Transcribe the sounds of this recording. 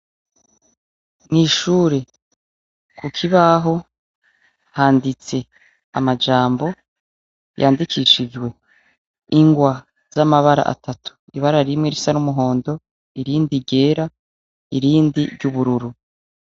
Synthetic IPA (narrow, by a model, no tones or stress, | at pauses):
niʃuɾe̞ | kukʰiβaɦo̞ | haːndit͡se̞ | a̰mad͡ʒaːmbo̞ | ja̰ːndikʰiːʃid͡ʒɡwe̞ | iŋɡwa | z̥amaβaɾa̰ʔa̰tʰatʰu̥iβaɾaɾimŋeɾisanumuɦo̞ːndo̞ | iɾiːndiɟe̞ːɾa | iɾiːndiɾɟuβuɾuɾu